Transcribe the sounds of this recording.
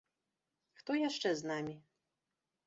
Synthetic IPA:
xt̪ɔjaʂt͡ʂɛznamʲi

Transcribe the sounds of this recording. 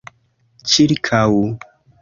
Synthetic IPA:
t͡ʃiɾikʰawu

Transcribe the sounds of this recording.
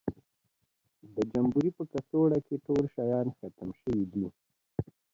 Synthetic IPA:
d̪əd͡ʒambuɾipəkasoɽakeʈolʃajɑnxat̪əmʃəwid̪i

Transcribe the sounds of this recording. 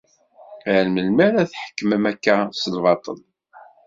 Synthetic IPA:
ælməlmæɾæθħə̥kːməmækːæsəlvɑt̪ˤə̰l

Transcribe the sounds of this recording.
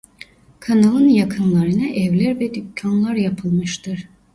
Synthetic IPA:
kʰanalˠɯnjakʰɯnlˠaɾɯnɯʔɛvlʲæɾvɛd̪ycʰːanlˠaɾjapʰɯlˠmɯʃt̪ʰɯɾ̥

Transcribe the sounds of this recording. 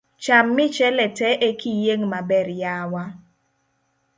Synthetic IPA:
t͡ʃamːɪt͡ʃɛlɛtɛʔekijeŋmabɛɾjawa

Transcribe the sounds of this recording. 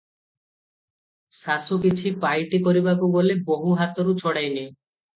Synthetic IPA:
sasukit͡ɕʰipajʈikoɾibakuɡoleboɦuɦat̪oɾut͡ʃʰɔɽajne

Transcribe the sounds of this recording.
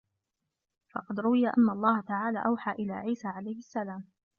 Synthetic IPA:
fɑ̰qɑd̪ɾʊwɪjaʔanːaʔɑlˤːɑːhat̪aʕaːla̰ːʔawħaːʔɪla̰ːʕiːsaːʕalajhɪsːalaːm

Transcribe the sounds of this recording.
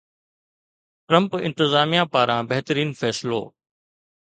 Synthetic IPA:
ʈɾə̃mpɪ̰̃nt̪ɪzaːmijãpaːɾãːbɐɦt̪əɾiːnfʰɛːslo̰ː

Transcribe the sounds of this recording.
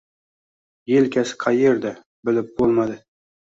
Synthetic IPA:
jelkʲʰasɪ̥qʰɑjeɾd̪a | bɪlɪp̚bolˠmad̪ɪ

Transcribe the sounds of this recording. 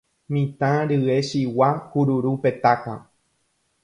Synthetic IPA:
mĩt̪ãɾɨe̞ʃiwahuɾuɾupe̞t̪akã

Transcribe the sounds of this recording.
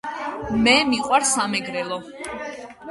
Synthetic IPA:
mɛmiqʼwaɾsamɛɡɾɛlˠɔ

